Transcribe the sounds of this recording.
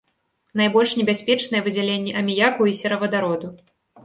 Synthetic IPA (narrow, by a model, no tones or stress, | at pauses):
n̪ajbɔlʲʂnʲɛbʲasʲpʲɛt͡ʂnɐjɛvɨd͡zʲalʲenʲːɛʔɐmʲijakuisʲɛɾɐvɐd̪aɾɔd̪u